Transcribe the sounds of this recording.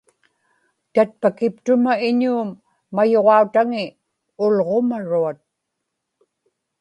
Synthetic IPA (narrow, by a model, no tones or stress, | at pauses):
t̪at̪̚pakɪp̚t̪ʊmaɪɲuːmː | ajo̞ʁɑut̪aŋɪ | ʊlʁo̞maɻuat̪̚